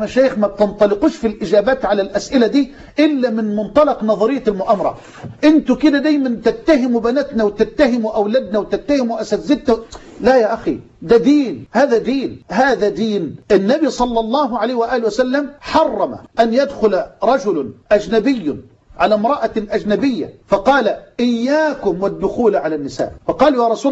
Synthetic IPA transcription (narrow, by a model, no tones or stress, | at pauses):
maʃaːjɪxmab̚t̪ɪnt̪ˤɑlɪquːʃfilʔɪd͡ʒaːbaːt̪ʕalalʔasʔɪlad̪iː | ʔɪlːamɪnmʊnt̪ˤɑlɑqnɑðˤɑɾɪjːalmʊʔamɑɾˤɑ̰ | ʔɪnt̪ʊkɪd̪ad̪ajmant̪ɪt̪ːaɦɪmubanat̪nawɪt̪ɪt̪ːaɦɪmwʔawlad̪̚nawɪt̪at̪ːahɪmuʔasazːɪd̪nalajaːʔaxḭ | d̪ad̪iːnhaːðad̪iːnɦaːðad̪iːnʔɪnːabisˤɑlːɑlˤːɑːɦʕalajhwɪʔaːlɪwasalːamħɑrˤːɑma̰ʔanjad̪xʊlaɾˤɑd͡ʒʊlʔad͡ʒnabɪjː | ʕalamɾˤɑʔaʔad͡ʒnabɪjːa̰fɑqɑːlaʔɪjːaːkʊmwɪd̪ːʊxuːlʕalanːɪsa̰ːʔfɑqɑːljaɾˤɑsuː